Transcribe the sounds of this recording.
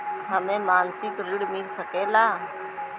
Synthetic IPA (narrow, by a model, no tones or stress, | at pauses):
ɦəmẽmaːnsɪkɾɪɽmɪlsəkeːlaː